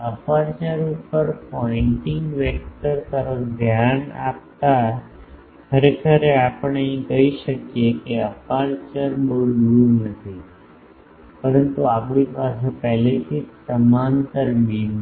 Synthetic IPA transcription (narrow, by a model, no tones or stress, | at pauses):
əpaɾt͡ʃəɾuppəɾpɔiɳʈɪŋɡʋek̚ʈəɾt̪əɾəfd̪ʱjana̰p̚t̪a | kʰəɾekʰəɾeapəɳəĩkəiʃəkjekeəpaɾt͡ʃəɾboɭʋunət̪ʰi | pəɾənt̪uapɳipasepɛɦlet̪ʰisəmant̪əɾmim